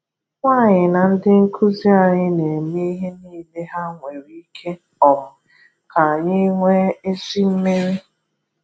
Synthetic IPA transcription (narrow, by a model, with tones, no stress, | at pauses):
ŋʷa˦˨ɲɪ˨na˨n̩˦dɪ˦ŋ̩˦kʰu˦zi˦a˨ɲɪ˦ne˨me˦i˦ɦe˦niː˦˨de˦ɦa˦ŋʷe˨ɾi˦kʰe˦ | ɔ˨mʊ˨ | ka˨ɲɪ˦ŋʷe˦e˦si˦m̩˦me˦ɾi˦